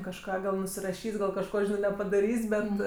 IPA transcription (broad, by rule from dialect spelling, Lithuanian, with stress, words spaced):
kɐʃˈkɑː ɡɐlˠ nʊsʲɪrɐˈʃʲiːsʲ ɡɐlˠ kɐʃˈkoː nʲɛpɐdɐˈrʲiːsʲ ˈbʲɛt